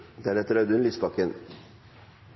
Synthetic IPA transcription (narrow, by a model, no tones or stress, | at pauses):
d̪æɾɛt̪əɾɑd̪ʉnliːsbɑkən